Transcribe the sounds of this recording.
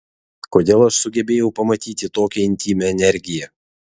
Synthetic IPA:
koːd̪ʲeːlˠɐʃsʊɡʲɛbʲeːjɛʊpɐmɐt̪ʲiːt̪ʲɪt̪oːkʲɛɪnʲt̪ʲiːmʲɛɛnʲɛɾʲɡʲɪjɛ

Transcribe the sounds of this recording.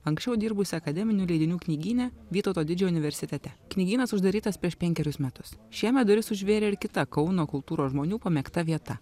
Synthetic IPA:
ɐŋksʲt͡ʃʲɛʊd̪ʲiːɾbʊsʲɪɐkɐd̪ʲɛmʲɪnʲuːlʲɛɪd̪ʲɪnʲuːknʲiːɡʲiːnʲɛʋʲiːt̪oːt̪oːd̪ʲɪd͡ʒʲɛːʊnʲɪʋʲɛɾʲsʲɪt̪ʲɛt̪ʲɛknʲiːɡʲiːnɐsʊʒd̪ɐɾʲiːt̪ɐspʲɾʲiɛʃpʲɛŋʲkʲɛɾʲʊsmʲæt̪ʊsʃʲiɛmʲɛt̪d̪ʊɾʲɪsʊʒʲʋʲeːɾʲeːɪɾkʲɪt̪ɐkɒʊnoːkʊlˠt̪uːɾoːsʒmoːnʲuːpɐmʲɛkt̪ɐʋʲiɛt̪ɐ

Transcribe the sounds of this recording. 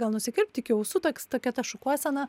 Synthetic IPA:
ɡɐlˠnʊsʲɪkʲɪɾʲpʲt̪ʲɪkʲɪoʊsut̪oːkʲst̪oːkʲɛt̪ɐʃʊkuɔjsʲɐnɐ

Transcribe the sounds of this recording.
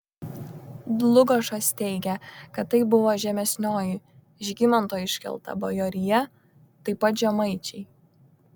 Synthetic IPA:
d̪lˠʊɡɐʃɐst̪ʲɛɪɡʲɛkɐt̪ːɐɪbʊʋoːʒʲɛmʲɛsʲnʲoːjɪ | ʒʲɡʲɪmɐnˑt̪oːjɪʃʲkʲɛ̰lˠt̪ɐ̰bɐjoːɾʲɪjɛ | t̪ɐɪpɐt̪ʒʲɛmɐɪt͡ʃʲɛɪ

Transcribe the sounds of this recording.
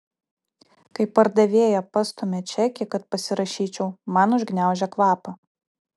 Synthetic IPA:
kɐɪpːɐɾd̪ɐʋʲeːjɛpɐst̪omʲɛt͡ʃʲɛkʲɪkɐt̪̚pɐsʲɪɾɐʃʲiːt͡ʃʲɛʊmɑnʊʒʲɡnʲæˑʊʒʲɛkʋˠɑːpɐ

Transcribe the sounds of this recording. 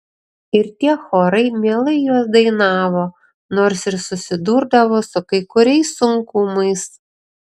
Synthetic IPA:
ɪɾt̪ʲiɛxoːɾɐɪmʲiɛlˠɐɪjuɔsd̪ɐɪnɑːʋoː | noːɾsɪɾsʊsʲɪd̪uːɾd̪ɐʋoːsʊkɐɪkʊɾʲɛɪsːʊŋkʊmɐɪs

